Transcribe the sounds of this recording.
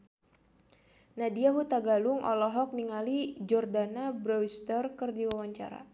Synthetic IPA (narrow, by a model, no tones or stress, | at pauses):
nadiaɦut̪aɡaluŋʔɔ̰lɔɦɔk̚niŋalid͡ʒɔrdanabɾɔwst̪ərkərdiwawaɲt͡ʃa̰ɾa̰